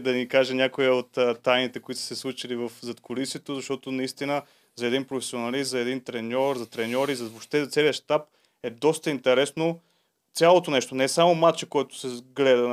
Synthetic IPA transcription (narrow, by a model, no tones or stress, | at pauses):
d̪ɐnikaʒɛnʲakoiot̪ːt̪ːajnit̪ɛkʊit̪ossɛslˠut͡ʃilivɐfzɐt̪kʊlisʲiɛt̪ozɐʃt̪ɔt̪onɐist̪inə | zɐɛd̪inpɾofɛsionɐliszɐɛd̪int̪ɾɛnʲɔɾzɐt̪ɾɛnʲɔɾizɐboʃt̪ɛzt̪sɛliəʃt̪ap | ɛd̪ɔst̪əint̪ɛɾɛsno | t̪sʲalˠot̪onɛʃt̪onɛsamomat͡ʃɛkɔjt̪ʊ̥sɛɡlɛd̪ə